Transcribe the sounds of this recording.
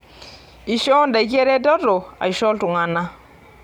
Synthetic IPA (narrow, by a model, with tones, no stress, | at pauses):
i˨ʃɔ˦nda˨i˦ke˦ɾɛ˦dɔ˦dɔ˨a̰˨i˨ʃɔ˦ltu˨ŋa˨na˦